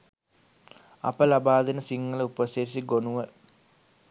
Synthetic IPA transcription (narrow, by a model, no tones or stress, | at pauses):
ɐ̰pəlabaːd̪inəsiŋːɐləupəseɾisiɡonuʋə